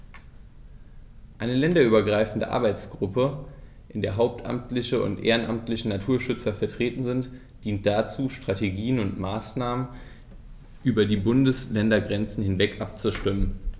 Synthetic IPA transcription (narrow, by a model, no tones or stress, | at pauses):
ʔaɪnəlɛndɐyːbɐɡʁaɪfn̩də̰ʔa̰ɐbaɪt͡sɡ̥ʁʊpə | ʔɪndeːɐɦaʊp̚tʔa̰mtlɪçəʊ̰ntʔḛːʁənʔamtlɪçənatʰuːɐʃʏt͡sɐfɛɐtʁ̥eːtn̩zɪnt | d̥iːnt̚d̥at͡suːʃtʁ̥ateɡiːənʊntmaːsnaːmən | ʔyːbɐdiːbʊndəslɛndɐɡʁɛnt͡sn̩hɪnvɛkʔap̚t͡suʃtɪmən